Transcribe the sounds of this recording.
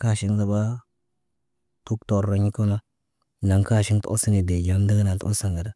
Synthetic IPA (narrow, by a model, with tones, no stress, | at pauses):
ka˦˨ʃi˦ŋza˨ba˦ | tu˦kto˨ɾa˨ɲ˦ku˦ma˦ | na˨ŋka˦˨ʃi˦ŋtʔo̰˦si˦ni˨de˨d͡ʒa˨m˦də˦ɡna˨to̰˦sa˨ŋɡa˨da˦